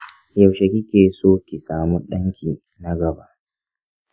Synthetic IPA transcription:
jɐ˨wʃɐ˨kʲi˦kʲeː˨soː˦kʲi˨saː˨mu˦ɗɐ˦ŋkʲiː˨ | na˦ɡɐ˨ba˦ʔ

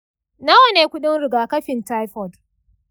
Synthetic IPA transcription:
nɐ˦wɐ˨neː˨kʷʊ˦ɗɪ˦nɽɪ˨ɡaː˨kɐ˦ɸɪ˨nta˦jɸɔ˨d

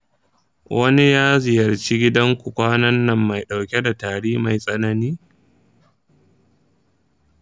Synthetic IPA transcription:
wʔɐ˦ni˦jaː˦zɪ˨jɐ˨rt͡ʃi˦ɡʲɪ˦dɐ˦ŋkʷu˨kʷaː˦nɐ˦nːɐ˨mːa˨jɗa˨wkʲe˦da˨taː˨ɽiː˦ma˨jsʼɐ˦nɐ˦niː˦

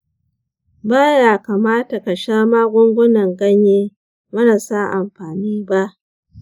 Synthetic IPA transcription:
baː˦jaː˨kaː˨maː˦ta˨ka˨ʃaː˦maː˦ɡʷʊ˦ŋɡʷʊ˦nɐ˨ŋɡɐ˦ɲjeː˦ | mɐ˦naː˨sa˦ʔa˨mɸaː˨niː˦ba˦ʔ

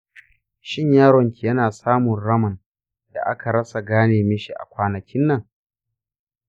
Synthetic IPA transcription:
ʃɪ˦ɲjaː˦ɽɔ˨ŋkʲi˨jɐ˦naː˨saː˦mʊ˨nɽɐ˦mɐ˨n | da̰˨ʔa̰˦ka˨ɾɐ˦sa˨ɡaː˦neː˨mɪ˦ʃi˦˨ʔa̰˨kʷaː˦nɐ˨kʲɪ˦nːɐ˨ŋ

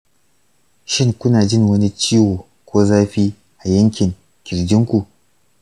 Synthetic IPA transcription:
ʃɪ˦ŋkʷʊ˦naː˨d͡ʒɪ˦ŋwɐ˦ni˦t͡ʃiː˦woː˨ | kʷoː˦zaː˦ɸiː˦ | ʔa˨jɐ˦ŋkʲɪ˨ŋ | kʲɪ˨ɾd͡ʒɪ˦ŋkʷu˨ʔ

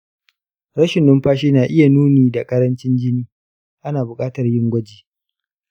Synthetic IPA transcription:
ɾɐ˦ʃɪ˨nːɪ˦mɸaː˦ʃiː˦naː˨ʔɪ˦ja˨nuː˦niː˨da˨kʼɐ˦ɾɐ˦nt͡ʃɪ˦nd͡ʒɪ˦niː˦ | ʔa˦naː˨bʊ˨kʼaː˦tɐ˨rjɪ˦ŋɡʷɐ˦d͡ʒiː˨

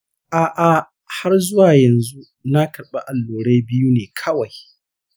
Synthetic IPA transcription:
ʔaː˨ʔa˨ | ha˦rzʊ˦waː˨jɐ˨nzu˦ | na˦kʰɐ˨ɽɓa˦ʔa˨lːoː˨ɽa˦jbɪ˦ju˦neː˨kʰɐ˦wa˨j

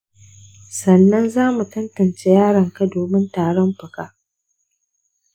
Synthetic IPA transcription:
sɐ˨nːɐ˦nzaː˦mu˨tɐ˦ntɐ˨nt͡ʃe˦jaː˦ɽɐ˨ŋka˦doː˨mɪ˦ntaː˨ɽɔ˦mɸɐ˨kaː˦ʔ

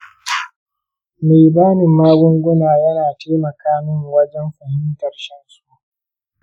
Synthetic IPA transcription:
meː˨baː˦nɪ˨mːaː˦ɡʷʊ˦ŋɡʷʊ˦naː˨jɐ˦naː˨teː˦mɐ˨kaː˦mɪ˦ŋwɐ˦d͡ʒɛ˦mɸɐ˨hɪ˦ntɐ˨rʃɛ˦nsu˨ʔ

